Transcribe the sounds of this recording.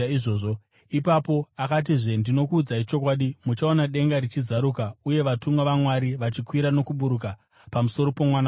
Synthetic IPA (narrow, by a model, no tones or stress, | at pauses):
ʐoːʐo | ipapo̞akat̬iʐe̞ndino̞kuːd͡zait͡ʃo̞k̬waːɗimut͡ʃao̞naɗe̞ŋɡaɾit͡ʃizaɾukauje̞ʋatuŋɡaʋamwaɾiʋat͡ʃikwiɾano̞kuɓuɾuka | pamuso̞ɾo̞pomwana